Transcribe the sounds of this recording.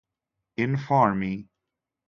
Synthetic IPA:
ɪ̃nfɑɹmi

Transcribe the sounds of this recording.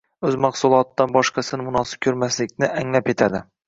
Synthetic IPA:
ɵzmɑqsulˠɑt̪d̪ɑnbɒʃqʰɑsɨnmunɑsɨ̥p̚kʲʰɵɾmæslɪk̚ʲnɪʔæŋlæpet̪ʰæd̪ɪ

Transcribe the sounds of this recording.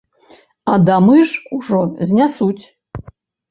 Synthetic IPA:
ɐd̪amɨʐuʐɔzʲnʲasut͡sʲ

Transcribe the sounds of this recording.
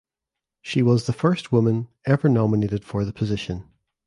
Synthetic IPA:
ʃiwɔzðəfɜ˞st̚wʊmə̃nɛvə˞nɑməneʔɪd̥fə˞ðəpʰəzɪʃə̃n

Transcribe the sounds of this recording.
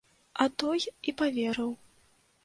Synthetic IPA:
ɐt̪ɔjipavʲɛɾɐw

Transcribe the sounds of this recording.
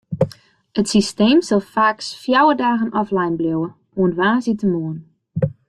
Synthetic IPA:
ətsisteːmsɔlˠfaːksfjawədaːɣənʔɔflajnbljowə | oənʋaːsitəmoən

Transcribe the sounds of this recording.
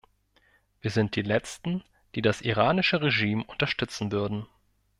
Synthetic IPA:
viːɐzɪnt̚d̥iːlɛt͡stn̩ | d̥iːdasʔiʁ̞aːnɪʃəʁeʒiːmʊntɐʃtʏt͡sn̩vʏɐdn̩

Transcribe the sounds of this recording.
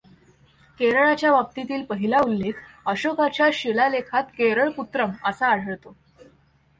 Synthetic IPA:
keɾəɭat͡ɕjaʋap̚t̪it̪iːlpəɦilaulːekʰəɕokat͡ɕjaɕelalekʰat̪keɾəɭput̪ɾəməsaːɽ̤əɭt̪o

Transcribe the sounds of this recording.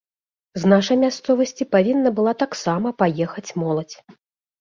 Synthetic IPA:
znaʂɐjmʲast̪sɔvɐsʲt͡sʲipavʲinːɐbɨlˠat̪aksamɐpajɛxɐt͡sʲmɔlˠɐt͡sʲ

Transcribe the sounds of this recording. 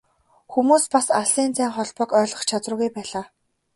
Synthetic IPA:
xumuːspasaɮiːnt͡sæːŋχɔɮpɞ̆kœːɮʁɞ̆χt͡ɕʰat͡srʊ̆ːɣujpæːɮaː

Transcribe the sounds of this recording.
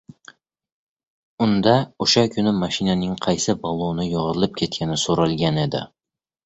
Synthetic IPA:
ʊnd̪aʊʃakʲʰʊnɪmaʃinanɪŋqʰɑjsɪbɒlˠonɪjɒʁɾlˠɪp̚kʲʰe̞t̪̚kʲʰanɪsoɾɑlˠɡʲane̞d̪ɪ̰

